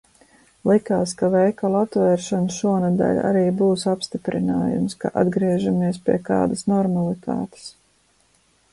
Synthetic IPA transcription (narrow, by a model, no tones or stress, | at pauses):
lˠikaːskavɛjkalˠat̪vɛːɾʃanʃuɔnɛd̪a̰lʲa̰ɾiːbuːsapst̪ipɾinaːjṵmska̰ʔad̪ɡɾiɛʒamiɛspʲiɛka̰ːd̪ɐsnɔɾmalˠit̪ʰa̰ːt̪e̥s